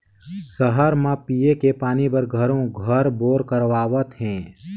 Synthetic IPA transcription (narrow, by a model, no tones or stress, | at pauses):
səɦəɾmãpijekepaːnibəɾɡʱəɾõɡʱəɾboːɾkəɾʋaːʋət̪ɦɛ̃ː